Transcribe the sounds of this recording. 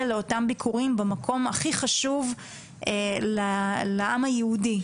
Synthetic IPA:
leo̞tambikʰuʁimbemakʰo̞maχiχaʃuv | ʔelaleʔamajeudi

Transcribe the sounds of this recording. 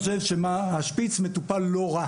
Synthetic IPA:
ʃevʃemahaʃpit͡sme̞t̪upalːo̞ʁa

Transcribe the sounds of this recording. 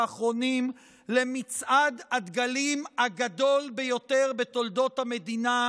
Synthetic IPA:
aχʁo̞nim | le̞mit͡sʔadad̪ɡalimaɡado̞lbejo̞t̪e̞ʁbet̪o̞ld̪o̞thame̞d̪ina

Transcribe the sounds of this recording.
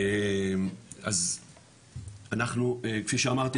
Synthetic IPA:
maz | anaχnuekfiʃeamaʁt̪i

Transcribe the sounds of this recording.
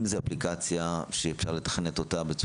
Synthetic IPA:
mzeaplikat͡sjaʃeːfʃaʁle̞t̪ḁχenet̪o̞t̪abet͡su

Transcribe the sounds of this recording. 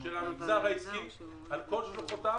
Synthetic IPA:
ʃelamikt͡saʁhaiskim | alkolʃloχot̪a

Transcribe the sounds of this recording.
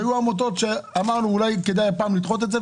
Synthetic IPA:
juamot̪̬o̞t̪ʃeamaʁnuːlajke̞d̪ajapaːmlid̪χo̞t̪̬eze

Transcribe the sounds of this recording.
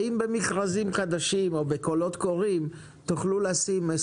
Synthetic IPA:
imbemiχʁazimχad̪aʃimo̞beko̞lo̞t̪ko̞ʁim | t̪uχluleasime

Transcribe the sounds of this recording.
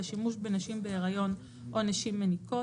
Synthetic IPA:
aʃimuʃbe̞naʃimbe̞eʁajo̞n | ʔo̞naʃimːeniko

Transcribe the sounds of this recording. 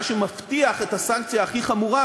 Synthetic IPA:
ʃemaft̪iaχetasaŋk̚t͡sjaːχiχamuʁa

